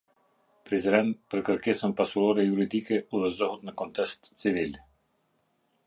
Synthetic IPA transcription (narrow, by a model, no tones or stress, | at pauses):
pɾizɾɛnpəɾkəɾkɛsəmpasulɔɾɛjuɾid̪ikɛuðəzɔɦut̪nakɔnt̪ɛst̪t͡sivilʲ